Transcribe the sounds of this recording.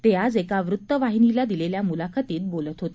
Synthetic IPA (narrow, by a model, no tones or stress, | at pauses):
t̪ead͡zekaʋɾut̪ːəʋaɦinilad̪ileljamulakʰat̪iːt̪̚bolət̪ɦot̪e